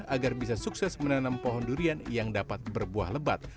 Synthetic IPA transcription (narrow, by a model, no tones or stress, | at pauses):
aɡarbis̬asuksɛsmənanampɔɦɔnduɾianjaŋdapat̪̚bərbua̰hləbat̪̚